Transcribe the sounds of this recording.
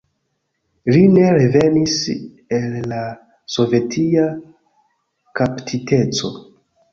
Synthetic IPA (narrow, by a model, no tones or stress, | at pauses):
line̞ɾe̞ve̞nis | e̞lːa | so̞ve̞tʰia | kaptʰitʰe̞t͡so̞